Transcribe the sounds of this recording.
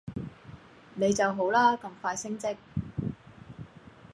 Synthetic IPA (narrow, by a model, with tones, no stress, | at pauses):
ne˨˧jt͡sɐ˨wɦo˨˥wlaː˥kɐ˧mfaː˧jsɪ˥ŋt͡sɪ˥k̚